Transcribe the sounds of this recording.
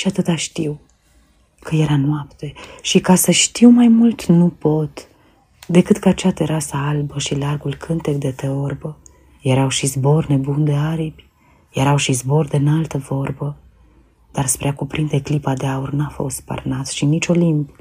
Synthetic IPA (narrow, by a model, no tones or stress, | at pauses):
ʃiat̪ɨt̪aʃt̪iw | kəje̞ɾanwapt̪e̞ʃikasəʃt̪iwmajmult̪nupo̞t̪ | d̪e̞kɨt̪kəat͡ʃat̪eɾasaalbəʃilarɡulkʰɨnt̪e̞kd̪e̞t̪eorbə | jeɾawʃizbo̞rne̞bund̪eaɾibʲ | je̞ɾawʃizbo̞rd̪enalt̪əvo̞rbə | d̪̥arspɾeakupɾind̪e̞klipad̪eaurnafo̞̰st̪pa̰rnat̪ʃinit͡ʃo̞limb